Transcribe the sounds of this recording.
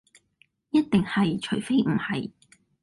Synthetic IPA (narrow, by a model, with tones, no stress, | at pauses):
jɐ˥t̚t̪ɪ˨ŋhɐ˨jt͡ʃʰɵ˨˩ɥfe˥jm̩˨˩hɐ˨j